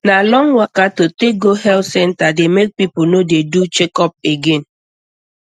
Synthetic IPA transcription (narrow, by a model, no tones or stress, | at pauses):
nalɔŋwakatotek̚ɡoɦɛltsɛntademek̚pipʊnodedut͡ʃekɔp̚eɡen